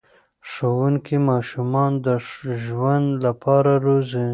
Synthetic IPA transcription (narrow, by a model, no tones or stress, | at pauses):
ʂowuŋkimɑʃumɑnd̪əʒwand̪lapʰɑɾaɾozi